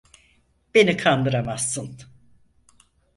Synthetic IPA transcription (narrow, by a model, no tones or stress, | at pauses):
b̥e̞nikʰand̪ɯɾamasːɯn